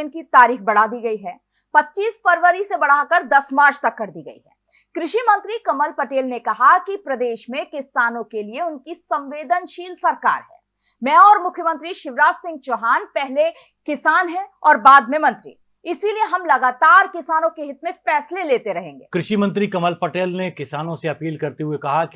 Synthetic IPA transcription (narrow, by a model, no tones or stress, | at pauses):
nkit̪aːɾiːxbɐɽ̤ad̪iɡɐiɦɛː | pɐtːʃiːsfɐɾʋəɾisebɐɽ̤akɐɾd̪ɐsmaːɾt͡ʃt̪ɐkːɐɾd̪iːɡɐḭɦɛ̰ː | kɾɪʃimɐ̃nt̪ɾikɐməlpɐʈeːlnekɐɦakipɾɐd̪eːʃmẽkɪsaːnõkelieʊnkisɐ̃mʋeːd̪ənʃiːlsɐɾka̰ːɾɦɛ̰ː | mɛ̃ːɔːɾmʊkʰjəmə̃nt̪ɾiʃɪʋɾaːd͡ʒsɪ̃ŋɡ̚t͡ʃoːɦaːnpɛɦle | kɪsaːnɦɛɔːɾbaːd̪̚mẽmɐ̃nt̪ɾḭ | ɪsilieɦɐmlɐɡaːt̪aːɾkɪsaːnõkeɦɪt̪mẽfɛːsleleːt̪eɾɐɦẽːŋɡḛːkɾɪʃimɐ̃nt̪ɾikɐməlpɐʈeːlnekɪsaːnõseɐpiːlkɐɾt̪eɦuekɐɦaki